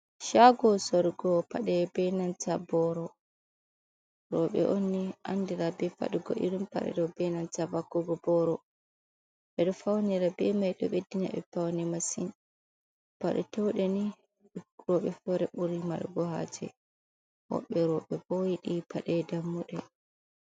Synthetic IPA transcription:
ʃaɡɔsɔɾɡɔpaɗɛbɛnantabɔɾɔ | ɾɔɓɛ̰ʔonːiʔandiɾabɛfa̰ɗuɡɔ̰ʔḭɾumpa̰ɗɛ̰ɗɔbɛnantavakːɔɡɔbɔɾɔ | ɓɛɗɔfawniɾabɛmajɗɔɓediɲa̰ɓɛ̰fawnɛmasin | paɗɛtɛwɗɛni | ɾɔɓɛfɔɾɛɓuɾima̰lɡɔha̰d͡ʒɛ̰ | hɔ̰ɓɛɾɔɓɛbojiɗipaɗɛdamːuɗɛ

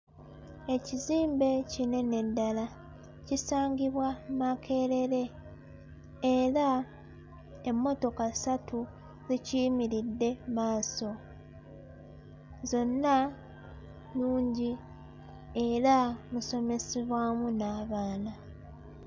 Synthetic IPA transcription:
e̞ciziːmbe̞cine̞ne̞dːala | cisaːɲɟiβwamakʰe̞ɾe̞ɾe̞ | eɾa | emːo̞to̞kasatu | ziciːmiɾidːe̞maːso̞ | zo̞nːa | luːɲɟi | e̞ɾamuso̞me̞seβwaːmunaːβaːna

